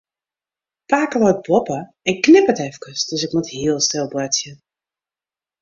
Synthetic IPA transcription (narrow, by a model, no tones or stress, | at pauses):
paːkəlɔjt̚bɔpə | ɛnknɪpətɛfkəsd̥øsɪkmuthiəlˠstɪlˠblɛtjən